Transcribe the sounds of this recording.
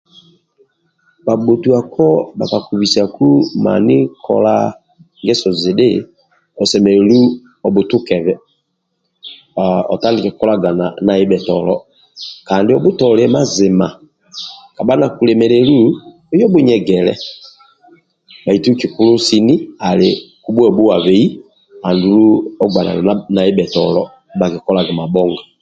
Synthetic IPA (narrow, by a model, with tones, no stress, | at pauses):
ba˨ɓo˨tu˨a˨kɔ˦ba̰˨ka˨ku˨βi˨sa˨ku˦ma̰˨nɪ˦kʰɔ̰˦la˦ | ŋɡɛ˦sɔ˨zi˨de˦ | ɔ˨sɛ˨mɛ˨ɾɛ˨lu˦ | ɔ˨bu˨tu˦kɛ˨βɛ˨ | ɔ˨ta˦lɪ˨kɛ˨kɔ˦la˦ɡa˨na˨na˨i˦bɛ˨tɔ˨lɔ˨ | ka˨ndi˨ɔ˨bu˦tɔ˨lɛ˨ma˦˨zɪ˨ma̰˨ | ka˨ba˦na˨ku˨lɛ˨mɛ˨ɾɛ˨lu˦ | ɔ˦jɔ˦bu˦ɲɛ˨ɡɛ˨lɛ̰˦ | ba˨i˨tu˦ki˨ku˦lu˦si˦ni˦a˨le˨ku˦bwɛ˦ɔ˨bu˦wa˨βɛ˨i˦ | a˨ndu˨lu˦ɔ˦ɡ͡ba˨na̰˨na˨i˦bɛ˨tɔ̰˨lɔ˦ | ba˨ki˨kɔ˦la˨ɡa˨ma˨bɔ˦ŋɡa˨